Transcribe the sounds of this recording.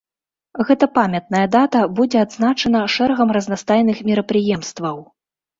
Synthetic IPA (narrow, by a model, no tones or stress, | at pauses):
ɣɛt̪ɐpamʲɛt̪̚nɐjɐd̪at̪ɐbud͡zʲɛad̪znat͡ʂɐn̪ɐʂɛɾɐɣɐmrɐznast̪ajnɨxmʲiɾɐpɾɨjɛmst̪vɐw